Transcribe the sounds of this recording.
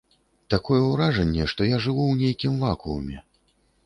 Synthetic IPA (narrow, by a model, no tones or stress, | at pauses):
t̪akɔjɛuɾaʐɐnʲːɛʂt̪ɔjaʐɨvuwnʲejkʲimvakuɐ̰mʲɛ